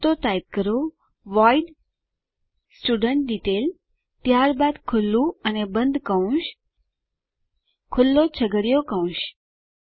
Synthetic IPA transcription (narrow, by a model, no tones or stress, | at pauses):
t̪ot̪ait̪̚kəɾo | ʋaiɖ | sʈuɖəɳʈ̚ɖiʈel | t̪jaɾbad̪kʰʊlːũənebə̃nd̪kəũʃ | kʰʊlːot͡ɕʰəɡəɽjokəũʃ